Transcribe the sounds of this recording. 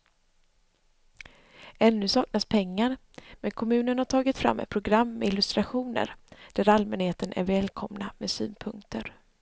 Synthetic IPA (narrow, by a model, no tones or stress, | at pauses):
ɛnːɵsɑːk̚naspʰɛŋːaɾ | mɛnkʰɔmʉ̟ːnənhaʈʰɑːɡɪt̪fɾa̰mːɛ̰t̪̚pʰɾʊɡɾamːɛ̰ɪlɵst̪ɾaɧuːnə̰ɾɖ̪̥æɾalmɛnheːt̪ənʔæ̰ɾvɛːlkʰɔmna̰medsy̰ːnpʰɵŋkt̪ʰəɾ